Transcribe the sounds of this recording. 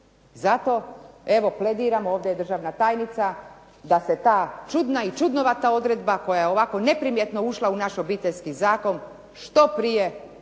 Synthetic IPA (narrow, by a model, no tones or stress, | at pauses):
zat̪o̞e̞ʋo̞ple̞d̪iːɾamo̞ːʋd̪ejed̪r̩ʒaːʋnat̪aːjnit̪sa | d̪ase̞t̪aːt͡ʃud̪nait͡ʃud̪noʋat̪ao̞d̪ɾe̞d̪bako̞jajeo̞ʋako̞ne̞pɾimje̞t̪no̞uʃlˠaunaʃo̞biːt̪eʎʲskizaːko̞n | ʃt̪o̞pɾije̞